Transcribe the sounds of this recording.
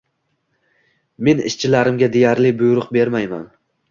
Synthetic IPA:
me̞nɪ̰ʃt͡ʃʰɪlaɾɪmɡʲad̪e̞jaɾlɪbʊjɾʊqbe̞ɾmajma̰n

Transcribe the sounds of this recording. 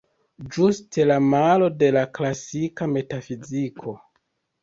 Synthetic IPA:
d͡ʒustʰe̞lamalo̞de̞laklasikame̞tafizikʰo̞

